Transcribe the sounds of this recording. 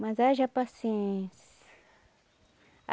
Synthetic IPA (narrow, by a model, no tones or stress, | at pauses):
mãzaʒapasẽs